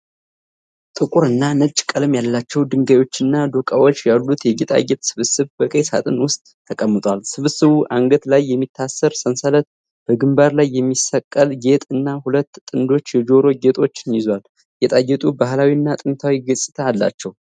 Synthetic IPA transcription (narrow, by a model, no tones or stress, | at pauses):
t̪ʼɨkʼuɾɨnːanɨt͡ʃʼːkʼəlɨmjalːat͡ʃːɛwd̪ɨŋɡajo̞t͡ʃːɨnːad̪o̞kʼawo̞t͡ʃːjalːut̪ʰjɛɡet̪ʼa̰jːɛt̪ʼsɨβɨsɨβbəkʼejsa̰t̪ʼɨnwʊst̪ʼːʰəkʼəmːɨt̪ʼwalsɨβɨsɨβuʔaŋɡət̪lajːɛmːit̪ʰːasːəɾsənsələt̪̚ | b̥əɡɨmbaɾlajːɛmːisəkʼːəlɡe̞t̪ʼɨnːahulət̪ːʼɨnd̪o̞t͡ʃːjɛd͡ʒo̞ɾo̞ɡe̞t̪ʼo̞t͡ʃːɪnjɪzwal | jɛt̪ʼajːɛt̪ʼubahlawiɨnːat̪ʼɨnt̪ʰawiɡɨsʼɨt̪ʰaːlːa̰t͡ʃːɛw